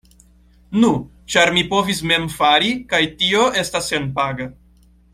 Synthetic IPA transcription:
nu | t͡ʃaɾmipo̞visme̞mfaɾikajtioʔe̞stasːenpaɡa

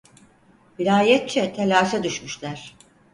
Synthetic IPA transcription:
bilʲaːjɛt̪̚t͡ʃʰɛt̪ʰelʲaːʃad̪yʃmyʃlʲæɾ̥

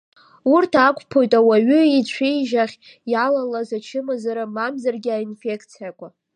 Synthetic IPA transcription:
urtʰakʷʰʼpʰo̞jtʼawaɥʏit͡ɕʷʰejʒaχʲ | jalalazat͡ʃʰɪmazaɾamamzarɡʲɪainfe̞kʰt͡sʰijakʷʼa

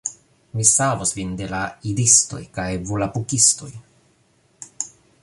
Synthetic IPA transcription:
misavosvinde̞laidisto̞̰jkajvulapukisto̞j

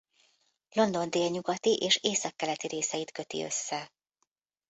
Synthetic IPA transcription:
lo̞nd̪o̞nd̪eːlɲuɡɒt̪iʔeːʃeːsɒkːɛlɛt̪iɾeːsɛjit̪kø̞t̪ḭø̰sːɛ

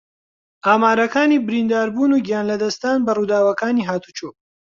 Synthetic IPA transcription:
ʔaːmaːɾɐkaːniːbɪɾind̪aːɾbuːnuːɡijaːnlɐd̪ɐst̪aːnbɐruːd̪aːwɐkaːniːɦaːt̪ʰu̥t͡ʃuː

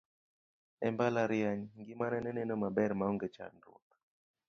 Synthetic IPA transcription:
ɛmbalaɾjaɲŋɡimanɛnɛnɛnomabɛɾmaɔŋɡɛt͡ʃa̰ndṵk

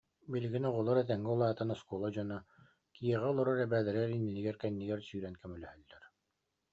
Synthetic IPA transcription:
biliɡinɔʁɔlˠɔɾɛt̪̬ɛŋɡɛulˠaːt̪anɔskulˠɔd͡ʑɔna | kijɛʁɛɔlˠɔɾɔɾɛbæːlɛɾɛɾinːiniɡɛɾkɛnːiɡɛɾsyːɾɛnkœmylœhœlːɛɾ

